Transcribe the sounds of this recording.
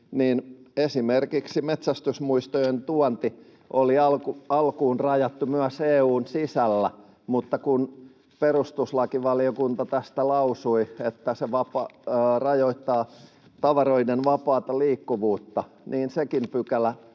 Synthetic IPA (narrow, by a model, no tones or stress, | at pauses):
niːnesimerkiksimet̪sæst̪ysmuist̪ojent̪uɑnt̪i | ʔoliɑlkuɑlkuːnrɑjɑt̪ːumyæseːuːnsisælːæ | mut̪ːɑkun | perust̪uslɑkiʋɑliokunt̪ɑt̪æst̪ælɑusuiet̪ːæseʋɑpɑrɑjoit̪ːɑː | t̪ɑʋɑroidenʋɑpɑːt̪ɑliːkːuʋuːt̪ːɑniːnsekimpykælæ